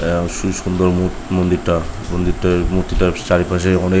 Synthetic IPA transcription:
ʃusund̪ɔɾmu | mond̪iɾʈamond̪iɾʈamuɾt̪ːiʈat͡ʃaɾipas̬eɔne

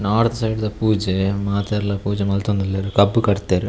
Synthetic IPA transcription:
naːɽt̪ɐsɐjɖðɐpuːd͡ʒɛmaːt̪eːɾlɐpuːd͡ʒɐmɐlt̪ɐɐnd̪ɐlːeːɾɯkɐbːɯkɐɽɯt̪ːeːɾɯ

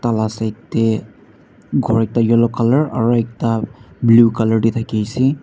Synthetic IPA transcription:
t̪alasajt̪ːe | ɡʱɔɹɛk̚tajɔlɔkaləɹa̰ɹuɛk̚tablukaləɹdit̪ʰakijsi

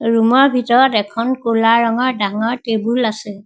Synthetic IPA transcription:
ɹumɔɹbʱitɔɹɔtɛkʰɔnkulaɹɔŋɔɹdaŋɔɹtebulasɛ

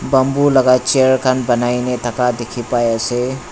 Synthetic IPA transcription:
bəmbulaɡat͡ʃeɾkʰanbənajnetakad̪ekʰipajase

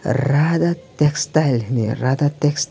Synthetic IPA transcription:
ɾad̪at̪ekst̪alinḭɾad̪at̪eks

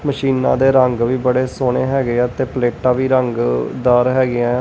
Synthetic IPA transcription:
məʃiːnã̰ːd̪eːɾəŋɡʋiːbəɽeːsoːɳeːɦɛːɡeɛːt̪eːpleːʈãːʋiːɾəŋɡd̪aːɾɦɛːɡɪãː

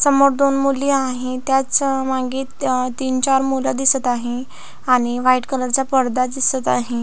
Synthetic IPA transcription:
səmːoɽd̪onmuliaɦet̪jat͡smaɡe | t̪iːnt͡ɕaɾmulad̪isət̪aɦe | aɽ̃iʋajʈkələɾt͡ɕapəɾd̪ad̪isət̪aɦe

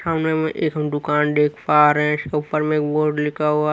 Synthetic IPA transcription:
aːʊnẽmɛ̃ʔeːkɦɐmd̪ʊkaːnɖ̪eːkʰpaːɾɦɛ̃ɪskeupəɾmẽeːkboːɾɖlɪkʰaɦua

